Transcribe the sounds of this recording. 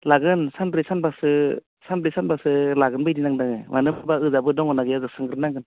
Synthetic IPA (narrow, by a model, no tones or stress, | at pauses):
laɡɯnsanpɾisanbasɯ | sanpɾisanbasɯlaɡɯnbɯjdinaŋdaŋɯ̰manɯbabaɯzabɯdɔŋɔnaɡɯjazɯk̚sɯŋɡɾɯnaŋɡɯn